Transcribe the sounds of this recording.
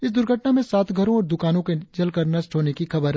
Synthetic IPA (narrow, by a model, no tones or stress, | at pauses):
ɪs̬d̪ʊɾɡʱəʈnamẽsaːt̪ʰɡʱɐɾõɔːɾd̪ʊkaːnõked͡ʒɐlkɐɾnɐsʈʰɦoːnekixɐbəɾɦ